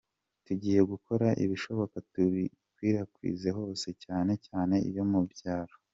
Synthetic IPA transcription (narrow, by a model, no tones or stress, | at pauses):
tuɟiːje̞ɡuko̞ɾaʔḭβiʃo̞βo̞katui | twiːɾakwḭːze̞ɦo̞ːse̞caːne̞caːne̞ḭβjo̞mubjaːɾo